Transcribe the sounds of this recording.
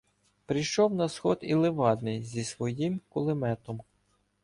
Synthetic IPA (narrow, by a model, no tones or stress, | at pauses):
pɾʲijʃɔwnɐsxɔd̪ilˠɪʋɑd̪nɪjzʲisʋɔjimkʊlˠɪmɛt̪ɔm